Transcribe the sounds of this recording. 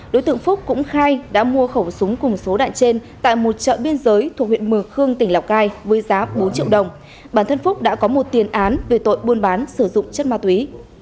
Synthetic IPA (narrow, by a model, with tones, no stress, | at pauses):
ɗo˨˦jt̪ɨ̰˧˨əŋfʊ˦˥k͡p̚kʊ̰˧˥ŋ͡mxaː˧jɗa̰ː˧˥mu˧əxə˧˩wsʊ˨˦ŋ͡mkʊ˨˩ŋ͡mso˨˦ɗa̰ː˧˨nt͡ɕe˧nt̪a̰ː˧˨jmo˨˩t̚t͡ɕə̰ː˧˨ɓi˧ənzəː˨˦jt̪ʰu˨˩k̚hwḭ˧˨ə˨nmɨ˨˩əŋxɨ˧əŋt̪ï˧˩ŋ̟la˨˩wk͡p̚ɣaː˧jvəː˨˦jzaː˨˦ɓo˨˦nt͡ɕḭ˧əwɗə˨˩wŋ͡m | ɓaː˧˩nt̪ʰə˧nfʊ˦˥k͡p̚ɗa̰ː˧˥kɔ˨˦mo˨˩t̚t̪i˨˩ənʔaː˨˦nve˨˩t̪o̰˧˨jɓu˧ənɓaː˨˦nsɨ˧˩zʊ̰˧˨ŋ͡mt͡ɕə˦˥t̚maː˧˩t̪wi˨˦